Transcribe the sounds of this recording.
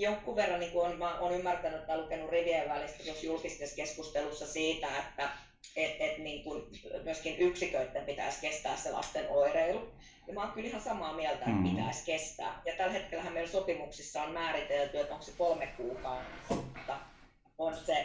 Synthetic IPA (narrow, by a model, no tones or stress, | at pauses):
jokːuʋʋerːɑniːŋkuonmæʔoːnymːært̪ænyet̪mælukenurriʋieʋʋælist̪ejosjulkist̪eskeskust̪elusːɑsiːt̪æet̪ːæ | et̪et̪niːŋkunmyøskinʔyksikøyt̪ːempit̪æ̰ˑiskest̪æ̰ːssḛlʔɑ̰st̪enʔoireilu | nimɑːŋkylihɑnsɑmɑːmiælt̪æḛt̪pit̪æ̰iskest̪æ̰ːjɑt̪ælhet̪kelːhæmmeilsopimuksisːɑonmæːɾit̪elt̪yet̪õŋksekolmekkuːkɑunsot̪ːɑ | onse